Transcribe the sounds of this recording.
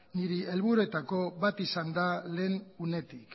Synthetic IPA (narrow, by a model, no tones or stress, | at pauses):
niɾielβuɾue̞t̪ako̞βat̪isand̪ale̞ːnune̞t̪ik